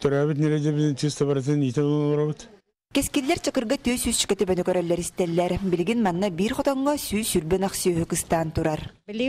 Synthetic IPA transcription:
t̪œɾaːβit̪̬̚nɛɾɛd̪ɛbizd̪iŋt͡ʃɯst̪aβaɾat̪̬ɯnit̪ɛlnlˠɔɾabɯt̪ | kɛskilːɛɾt͡ɕɯkɯɾɡat̪yːsyst͡ɕy̥kɛt̪ypœnykœɾœlːɛɾist̪ɛlːɛɾbiliɡinmanːabiːɾχɔt̪ɔŋːɔsyːsyɾbɛnaχsyːɦykɯst̪aːnt̪uɾaɾ

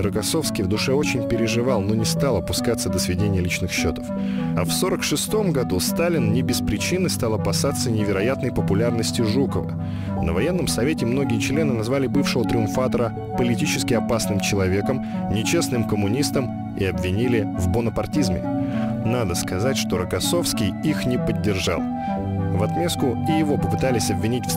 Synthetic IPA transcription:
rəkɐso̞fskʲijvd̪ʊʂɛo̞t͡ɕɪnʲpʲɪɾʲɪʐɨvalˠno̞nʲɪst̪alˠɐpʊskat̪sːəd̪əsvʲɪdʲenʲɪjəlʲit͡ɕnɨxɕːo̞t̪ə̥f | ɐfso̞ɾəkʂɨst̪o̞mɡɐd̪ust̪alʲɪnnʲɪbʲɪspɾʲɪt͡ɕinɨst̪ɑlˠɐpɐsat̪sənʲɪvʲɪɾɐjat̪nəjpəpʊlʲarnəsʲtʲɪʐukəvə̰ | nəvɐjenːəmsɐvʲetʲɪmno̞ɡʲɪjət͡ɕlʲe̞nɨnɐzvalʲɪbɨfʂɨvət̪ɾʲɪʊmfat̪əɾə | pəlʲɪtʲit͡ɕɪ̥skʲɪɐpasnɨmt͡ɕɪlˠɐvʲe̞kəm | nʲɪt͡ɕe̞snɨmkəmʊnʲist̪əm | ɪ̰ɐbvʲɪnʲilʲɪvbʊnəpɐrtʲizmʲɪ̰nad̪əskɐzatʲʂt̪o̞ɾəkɐso̞fskʲɪjixnʲɪpədʲːɪrʐa̰lˠ | vɐt̪mʲe̞skʊɪjɪvo̞pəpɨt̪alʲɪsʲɐbvʲɪnʲitʲf

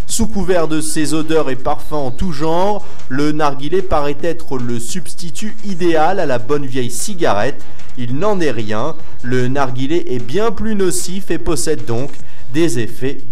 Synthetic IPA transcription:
sukuvɛʁd̪əsezod̪œʁepaʁfɛ̃ɑ̃t̪uʒɑ̃ʁ | lənaʁɡʲilɛpaʁɛt̪ɛt̪χələsyb̥st̪it̪y | id̪ealalabɔnvjɛjsiɡʲaʁɛt̪ | ilnɑ̃nɛʁjɛ̃ | lənaʁɡʲilɛʔɛbjɛ̃plynɔsifepɔsɛd̪ːɔ̃k | d̪ezefɛ

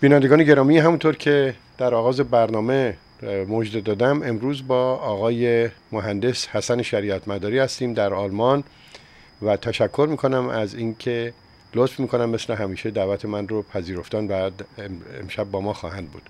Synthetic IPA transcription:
biːnænd̪eɡɒːne̞ɟe̞ɾɒːmiɦæmunt̪ʰoɾcʰe̞ | d̪̥æɾɒːɣɒːze̞bæɾnɒːme̞ | mod͡ʒd̪ed̪ɒːd̪æme̞mɾuːzbɒːɒːɣɒːjemoɦænd̪e̞shæsæneʃæɾiːæt̪ʰmæd̪ɒːɾiːhæst̪iːmd̪æɾɒːlmɒn | væt̪ʰæʃækʰːo̞ɾmiːkʰo̞næmæziːnkʰe | lot̪fmiːkʰo̞næmːe̞sleɦæmiːʃe̞d̪æːvæt̪ʰe̞mænropʰæziːɾo̞ft̪ɒːnvæ | ḛmʃæbːɒːmɒːxɒ̰ːhænd̪̚bṵd̪̥

